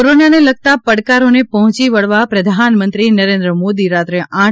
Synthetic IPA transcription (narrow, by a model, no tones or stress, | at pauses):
oɾonaneləɡ̚t̪apəɽkaɾonepɔɦɔ̃t͡ʃiʋəɭʋapɾəd̪ʱanmə̃nt̪ɾinəɾẽnd̪ɾəmod̪iɾat̪ɾeʔã